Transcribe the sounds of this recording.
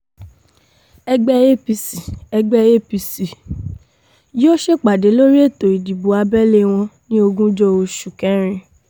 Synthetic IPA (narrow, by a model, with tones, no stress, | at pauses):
ɛ˧ɡ͡bɛ˦e˦pi˧si˨ɛ˧ɡ͡bɛ˦je˦˨pi˧si˨ | jo˦ʃe˦˨k͡pa˨de˨˦lo˦ɾi˦e˦˨to˨i˨di˨bu˨˦a˧bɛ˦le˦w̃ɔ̃˧nĩ˦o˧ɡũ˦d͡ʒɔ˦o˧ʃu˨kɛ̃˦ɾ̃ĩ˧